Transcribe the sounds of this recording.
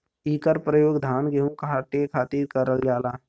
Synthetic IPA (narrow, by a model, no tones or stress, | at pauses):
iːkəɾpɾəjoːɡd̪ʱaːnɡeɦũkɦaːʈekʰaːt̪iːɾkəɾəld͡ʒaːlaː